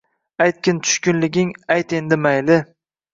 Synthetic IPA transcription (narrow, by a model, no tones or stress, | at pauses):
ajt̪̚kʲɪnt̪ʰʊ̥ʃkʲʊnlɪɡʲɪŋajt̪e̞nd̪ɪmajlɪ